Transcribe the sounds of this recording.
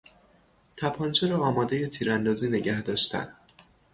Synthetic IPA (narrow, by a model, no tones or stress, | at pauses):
t̪ʰæpʰɒnt͡ʃʰeɾɒɒːmɒːd̪eje̞t̪ʰiːɾænd̪ɒːziːne̞ɟæhd̪ɒːʃt̪ʰæ̰n